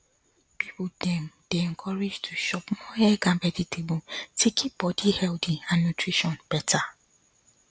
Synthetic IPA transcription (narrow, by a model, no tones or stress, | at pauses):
pʰipodɛ̃md̥ɛɛŋ̩kʰɔɾɪd͡ʒtʰuʃɔpmɔ̃ɛɡãmbɛditʰebũtʰikʰibɔdihɛldĩãnːũtʰɹiʃɔ̃nb̥ɛtʰa